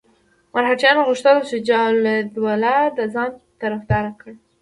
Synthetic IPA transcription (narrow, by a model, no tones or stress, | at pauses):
maɾɦaʈ͡ʂjɑnaɣʊʃt̪əlat͡ʃed͡ʒɑled̪walad̪azɑnt̪aɾafd̪ɑɾakəɽ